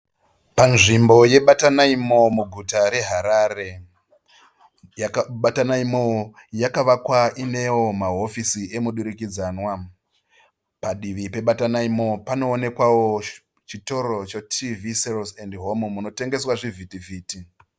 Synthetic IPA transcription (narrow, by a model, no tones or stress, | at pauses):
panʐimbo̞je̞ɓatanaimo̞muɡʱutaɾe̞ɦaɾare̞ | ɓatanaimo | jakaʋakwaine̞wo̞maɦo̞fisiʔe̞muɗuɾikid͡zaːnwa | paɗiʋipe̞ɓatanaimo̞pano̞ːne̞kwawo̞ | t͡ʃito̞ɾo̞t͡ʃotʰiviselsendɦo̞momuno̞te̞ŋɡe̞swaʐivʱitivʱiːti